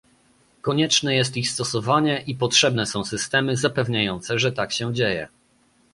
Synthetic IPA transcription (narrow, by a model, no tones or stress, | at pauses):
kɔɲɛt͡ʂnɛjɛs̬t̪ixst̪ɔsɔvaɲɛʔipɔtʂɛbnɛsɔ̃w̃sɘst̪ɛmɘzapɛvɲajɔnt̪sɛʐɛt̪akɕɛd͡ʑejɛ̰